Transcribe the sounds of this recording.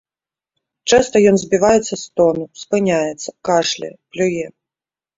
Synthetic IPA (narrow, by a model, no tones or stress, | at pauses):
t͡ʂɛst̪ɐjɔnzʲbʲivajɛt̪sːɐst̪ɔnuspɨnʲajɛt̪sːɐ̥kaʂlʲɛ̰plʲujɛ